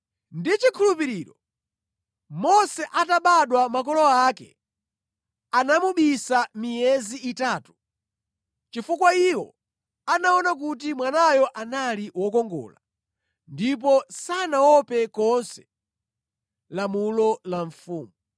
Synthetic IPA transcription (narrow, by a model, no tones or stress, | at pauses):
ndit͡ʃikʰulupiɾiːɾɔ | mɔsɛʔataɓaɗwamakɔlɔaːkɛ̰ | anamuɓisamijɛziːtaːtu̥ | t͡ʃifukwaiwɔ̰ | anaɔnak̬ut̬imwanajɔʔanaliwɔkɔŋɡɔ̰ːla̰ | ndip̬ɔsanawɔpɛkɔnsɛ̥ | lamulɔlaɱfuːmu